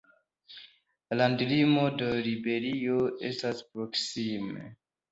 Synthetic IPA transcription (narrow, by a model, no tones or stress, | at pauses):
landlimo̞dolibe̞ɾioestaspɾoksimḛ